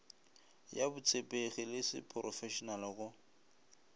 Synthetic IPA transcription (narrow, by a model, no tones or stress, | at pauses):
jabʊt͡sʼʰepʼeɣɪlɪsɪ̰pʼrɔfɛʃɔnalɪɣʊ